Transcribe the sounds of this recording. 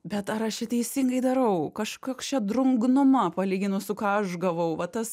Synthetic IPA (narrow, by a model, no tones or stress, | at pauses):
bʲɛt̪ɐɾɐʃt͡ʃʲɛt̪ʲɛɪsʲiŋɡɐɪd̪ɐɾɐʊkɐʃkoːkst͡ʃʲɛd̪ɾʊŋɡnʊmɐpɐlʲiːɡʲɪnʊsʊkɑːɐʃɡɐʋɐʊʋɐt̪ɐs